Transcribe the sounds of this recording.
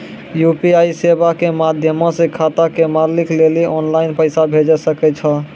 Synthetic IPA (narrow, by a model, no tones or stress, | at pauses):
jupiajsebakemad̪ʱjəmɔ̃sekʰat̪akemalikleliʔɔnlaɪnpəjsabʱed͡ʒɛsəkɛt͡ʃʰəl